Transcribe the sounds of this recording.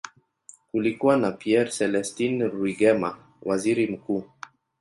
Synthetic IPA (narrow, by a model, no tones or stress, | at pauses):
kulikuanapiɛɾsɛlɛstinɾwiɡɛma | wʔaziɾim̩kuː